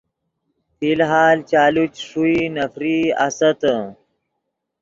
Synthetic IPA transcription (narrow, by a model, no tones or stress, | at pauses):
fiːlɦaːlt͡ɕaːlut͡ɕʂuinɐfɾiːɐ̰sɐt̪ə